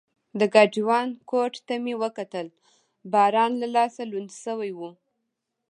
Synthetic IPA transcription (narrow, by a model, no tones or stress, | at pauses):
d̪əɡɑd͡ʒiwɑnkoʈt̪amewəkat̪əl | bɑɾɑnlalɑsalund̪səwajwu